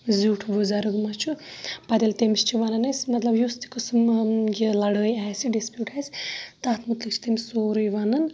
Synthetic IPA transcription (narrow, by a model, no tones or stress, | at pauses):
zuːʈʰbuzaɾɨɡmɐt͡ʃʰupɐd̪elt̪emist͡ʃʰiʋɐnɐnesʲmɐt̪lɐbjust̪i̥kɨsmjilɐɽəːjaːsiɖispjuːʈʰaːsʲt̪aːt̪mut̪likt͡ʃʰt̪emʲssoːɾɨjʋɐnɐn